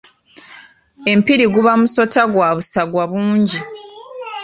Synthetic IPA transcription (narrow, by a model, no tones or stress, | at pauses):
e̞mpiɾiɡuβamuso̞taɡwaːβusaɡwaβuːɲɟi